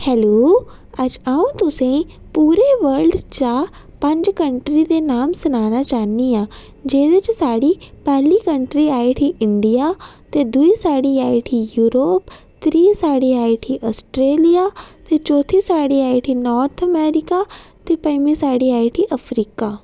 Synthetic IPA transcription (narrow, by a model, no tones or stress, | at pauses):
hɛːloː | ɐd͡ʑaːũt̪ʊsẽ | puːɾeʋɐɾɖt͡ɕaː | pɐ̃ɲd͡ʑkɐ̃ɳʈɾit̪enaːmsɐnaːñat͡ɕaːɦniaː | d͡ʑeːd̪ət͡ɕsaːɽipɛɦlikɐ̃ɳʈɾiaːiʈʰiʔɪ̃ɳɖijat̪ed̪uisaːɽiaːiʈʰijuːɾoːp | t̪ɪɾiːsaːɽiaːiʈʰiʔɔːsʈɾeːlijat̪et͡ɕɔːt̪ʰisaːɽiaːiʈʰinɔːɾt̪ʰɐmɛːɾikat̪epɐ̃ɪmisaːɽiaːiʈʰiʔɐfɾiːkaː